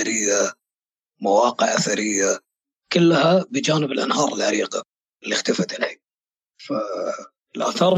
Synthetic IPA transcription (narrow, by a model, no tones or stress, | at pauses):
aɾɪjːa | mawɑːqɪʕʔaθaɾɪjːa | kʊlːhabɪd͡ʒaːnɪbɪlʔa̰nɦɑːɾˤɪlʕaɾiːqa̰ | ɪlːixt̪ɪfat̪ɪlħi | fa | ɪlʔa̰θɑːɾˤ